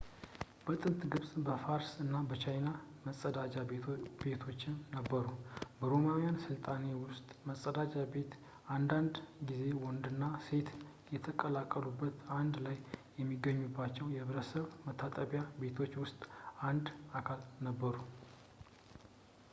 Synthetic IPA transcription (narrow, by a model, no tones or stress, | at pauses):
b̥ət̪ʼɨnt̪ʼɡɨβsʼbəfaɾsɨnːabət͡ʃʰajnaməsʼəd̪ad͡ʒabe̞t̪ʰo̞t͡ʃːɪnːəbːəɾubəɾo̞mawijansɨlt̪ʼane̞wʊst̪ʼməsʼəd̪ad͡ʒʼabe̞t̪ | ʔand̪and̪ɡize̞wɔnd̪ɨnːase̞t̪ | jɛt̪ʰəkʼəlakʼːəlubːət̪and̪lajː | ɛmːiɡːəɲːubːat͡ʃːɛwjɛhɨβɾəsəβmət̪ʰːat̪ʼəβjabe̞t̪ʰo̞t͡ʃːwʊst̪ʼand̪akʰalnəbːəɾu